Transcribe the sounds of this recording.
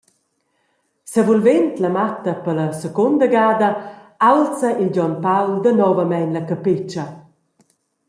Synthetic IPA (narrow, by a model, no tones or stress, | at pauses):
sɛvulvɛnt̪lɐmat̪ɐpəlɐsəkond̪əɡaːd̪ɐalt͡səʔilɟɔnpawld̪ənɔvəmɛjnlɐkapɪt͡ʃə